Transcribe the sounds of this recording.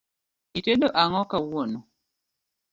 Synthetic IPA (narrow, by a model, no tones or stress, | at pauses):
iteɗoʔaŋɔkawonɔ